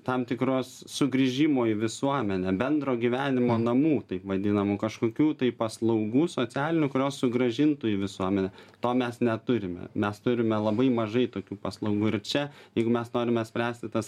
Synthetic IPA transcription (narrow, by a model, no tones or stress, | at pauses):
t̪ɐmt̪ʲɪkɾoːssʊɡɾʲɪʒʲɪmoːiʋʲɪsuɔmʲɛnʲɛbʲɛnd̪roːɡʲiʋʲæːnʲɪmoːnɐmuːt̪ɐɪpʋɐd̪ʲɪnɐmukɐʃkoːkʲuːt̪ɐɪpɐslˠɐʊɡuːsoːt͡s̪ʲæːlʲɪnʲʊkʊɾʲoːssʊɡɾɐʒʲɪnt̪ʊiʋʲɪsuɔmʲɛnʲɛt̪oːmʲɛsnʲɛt̪ʊɾʲɪmʲɛ̰mʲɛst̪ʊɾʲɪmʲɛlˠɐbɐɪmɐʒɐɪt̪oːkʲuːpɐslˠɐʊɡuːɪɾt͡ʃʲɛjɛɪɡʊmʲɛsnoːɾʲɪmʲɛt̪sʲpʲɾʲæːsʲt̪ʲɪt̪ɐs